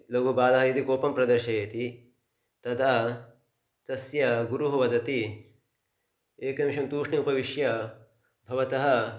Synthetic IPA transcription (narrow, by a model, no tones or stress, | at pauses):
lɐɡʱubaːlɐɦɐid̪ikoːpɐmpɾɐd̪ɐɾʃɐjɐt̪i | t̪ɐd̪a | t̪ɐsjɐɡuɾuɦɐʋɐd̪ɐt̪i | eːkɐɐmiʃɐmt̪uːʂɳiupɐʋiʃjɐ | bʱɐʋɐt̪ɐɦɐ̆